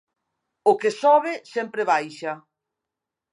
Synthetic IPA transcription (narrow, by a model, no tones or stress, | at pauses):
ʊkesɔβɪsɛmpɾeβajʃɐ